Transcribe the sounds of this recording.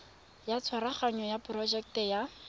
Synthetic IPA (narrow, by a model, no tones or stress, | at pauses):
jat͡sʰwaɾaχaɲɔjapʊrɔd͡ʒɛk̚tɛja